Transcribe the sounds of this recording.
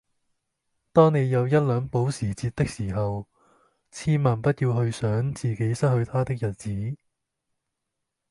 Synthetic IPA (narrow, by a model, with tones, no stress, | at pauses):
t̪ɔː˥ŋne˨˧jjɐ˨˧wjɐ˥t̚lœː˨˥ŋpo˨˥wsiː˨˩t͡siː˧t̚t̪ɪ˥k̚siː˨˩ɦɐ˨w | t͡sʰiː˥maː˨˩npɐ˥t̚jiː˧wɦɵ˧ɥsœː˨˥ŋt͡siː˨˩ke˨˥jsɐ˥t̚hɵ˧ɥt̪ʰaː˥t̪ɪ˥k̚jɐ˨˩t̚t͡siː˨˥